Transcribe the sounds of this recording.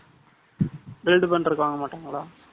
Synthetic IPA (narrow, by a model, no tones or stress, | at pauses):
belɖɨbɐɳɖrɾɨkːɨʋaːŋɡɐmːaːʈːaŋɡɐɭaː